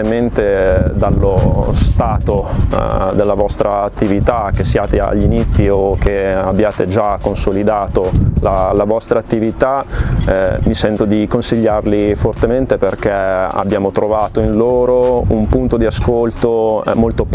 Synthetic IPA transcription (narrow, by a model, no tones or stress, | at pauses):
ement̪ed̪alːost̪aːt̪o | d̪elːavɔst̪ɾaːt̪ːivit̪ak̟esjaːt̪ea̰ʎːinit̪sːiok̟ːeabːjaːt̪ed͡ʒakːonsolid̪aːt̪olalavɔst̪ɾaːt̪ːivit̪a | misɛnt̪od̪ikonsiʎːarlifort̪ement̪eperk̟ɛa̰bjaːmot̪ɾovaːt̪oinloːɾoumpunt̪od̪iaskolt̪omolt̪op